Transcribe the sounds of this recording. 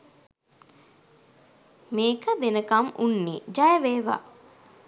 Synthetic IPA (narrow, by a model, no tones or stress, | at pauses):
meːkəd̪enəkamunːḭd͡ʒajəʋeːʋa̰